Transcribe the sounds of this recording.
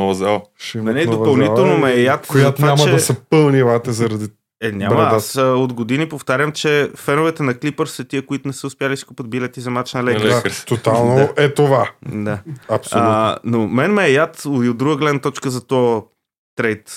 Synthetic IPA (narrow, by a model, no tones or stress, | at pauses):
nɔvɐzalˠnɛnɛdopɐlˠniɛlˠnomɛːjat̪ojat̪vamɐɛd̪ɐsɐpəlˠnivat̪ɛzɐɾɐd̪i | ɛnʲaməasod̪ɡod̪inipoft̪aɾʲəmt͡ʃɛfɛnoʊvɛt̪ɛnɐklipəɾsət̪iəkoit̪ʊnɛsəʊspjalisi̥kupət̪̚bilɛt̪izɐmat͡ʃnɐlɛlɛkɾt̪ot̪alˠnoaɛt̪ovad̪aɐpssoənomɛnmɛːjat̪oiod̪d̪ɾuɡəɡlɛd̪nɐt̪ɔt͡ʃkəzɐt̪ɔ | t̪ɾɛjt̪